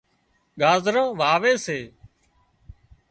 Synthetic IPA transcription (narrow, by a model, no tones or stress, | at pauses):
ɠaːzɾãːʋaːʋeːseː